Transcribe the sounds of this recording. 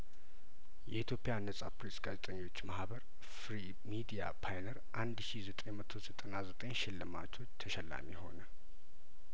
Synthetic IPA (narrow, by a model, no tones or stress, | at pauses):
jɛʔit̪ʰjo̞pʼijanːəsʼapɾesʼɡazet̪ʼəɲːo̞t͡ʃːmahbəɾ | fɾi | mid̪ija̰pʰajnəɾʔand̪ʃizət̪ʼejmət̪ʰo̞zət̪ʼənazət̪ʼəɲʃɪlːɨma̰t͡ʃʰo̞t͡ʃːt̪ʰəʃɛlːa̰miho̞̰nə